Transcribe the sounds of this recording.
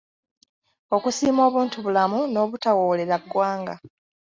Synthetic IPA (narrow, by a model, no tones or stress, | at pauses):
o̞kusiːmo̞ːβuːntuβulamuno̞ːβutawoːle̞ɾaɡːwaːŋɡa